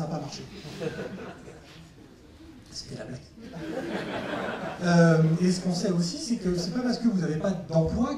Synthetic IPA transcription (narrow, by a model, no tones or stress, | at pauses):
aːpamaʁʃẽ | sə̥t̪ɛla̰blat̪ | ømesə̥kɔ̃sɛosisɛkəsɛpapaʁsə̥kəvuzavepad̪ɑ̃plwa